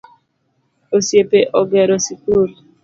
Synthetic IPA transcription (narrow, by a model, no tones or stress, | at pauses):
osjepeʔɔɡɛɾɔsikuɾ